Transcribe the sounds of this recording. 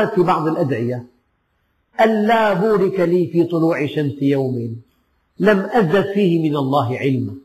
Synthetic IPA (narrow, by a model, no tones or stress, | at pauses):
at̪fiːbɑʕd̪ˤɪlʔad̪ʕɪja | ʔanːaːbuːɾɪkaliːfiːt̪ˤʊluːʕɪʃamsɪjawmɪn | lamʔaðːad̪fiːhɪmɪnalˤːɑːɦɪʕɪlma